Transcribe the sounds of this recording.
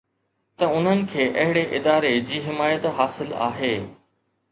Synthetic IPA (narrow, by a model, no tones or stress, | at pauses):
t̪ɐʊn̤ənɪ̆kʰeːʔɐɦɪɽeʔɪd̪aːɾed͡ʑiːɦɪmaːjət̪ɦaːsɪla̰ːɦeː